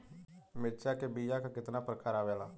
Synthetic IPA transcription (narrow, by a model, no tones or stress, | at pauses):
mɪɾt͡ʃaːkebijaːkakɪt̪naːpɾəkaːɾaːʋɛːlaː